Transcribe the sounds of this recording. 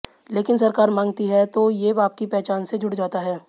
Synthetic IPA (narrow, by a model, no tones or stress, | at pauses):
leːkɪnsɐɾkaːɾmãːŋɡt̪iɦɛt̪ojebaːp̚kipɛɦt͡ʃaːnsed͡ʒʱʊʈd͡ʒaːt̪aɦɛː